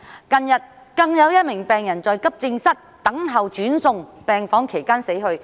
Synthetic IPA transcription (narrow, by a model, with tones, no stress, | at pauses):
kɐ˧njɐ˨t̚ | kɐ˧ŋjɐ˨˧wjɐ˥t̚mɪ˨˩ŋpɛː˨ŋjɐ˨˩nt͡sɔː˨˧jkɐ˥p̚t͡sɪ˧ŋsɐ˥t̚t̪ɐ˨˥ŋɦɐ˨wt͡ʃyː˨˥nsʊ˧ŋpɛː˨ŋfɔː˨˥ŋkʰe˨˩jkaː˥nse˨˥jɦɵ˧ɥ